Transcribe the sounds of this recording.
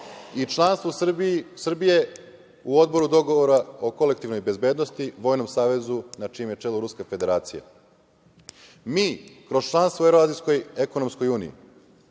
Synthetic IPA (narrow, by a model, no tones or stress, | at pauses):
it͡ʃlˠanst̪ʋosbsr̩bije̞ | uo̞d̪bo̞ɾud̪o̞ɡoʋoɾao̞ko̞le̞k̚t̪iʋno̞jbe̞zbe̞ːd̪nost̪iʋo̞ːjnomsaːʋe̞zunat͡ʂiːmjet͡ʂe̞luɾuskafe̞d̪e̞ɾaːt̪sija̰ | miːkɾo̞zt͡ʃlˠanst̪ʋoeɾoaːzijsko̞jeko̞nomsko̞juːnḭḭ